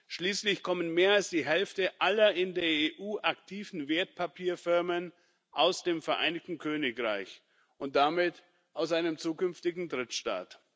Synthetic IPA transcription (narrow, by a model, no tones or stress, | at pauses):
ʃliːslɪçkʰɔmənmeːɐalsd̥iːɦɛlftəʔalɐʔɪndeːɐeːʔuːʔaktʰiːvn̩veːɐt̚pʰapʰiːɐfɪɐmən | ʔaʊsd̥eːmfɛɐʔa̰ɪnɪçtn̩kʰøːnɪkʁa̰ɪç | ʔʊnt̚d̥amɪt | ʔaʊsʔaɪnəmt͡suːkʏnftɪɡŋ̩dʁɪtʃta̰ːt